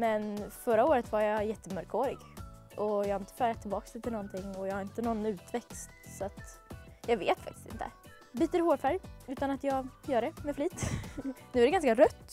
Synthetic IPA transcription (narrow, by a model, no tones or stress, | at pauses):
mɛnfœɾaoːɾət̪vaɾjajɛt̪ːəmœɾkʰoːɾɪ̰ɡʔɔjɑːhaɾɪnt̪ə̥fœːɾat̪ʰːɪlbɑːkst̪ʰɪlnɔnt̪ʰɪŋːɔjɑhaɾɪnt̪ənɔnːʉ̟ːt̪vɛkst̪sat̪jɑːɡvḛːt̪fa̰k̚t̪ɪ̥st̪ɪ̰nt̪ʰə̰ | biːt̪əɾɪhoːɾfæɾjʉ̟ːt̪anat̪jɑːɡjœːɖɛmɛfliːt̪nʉ̟ːæɾɖɛɡanskaɾœt̪ː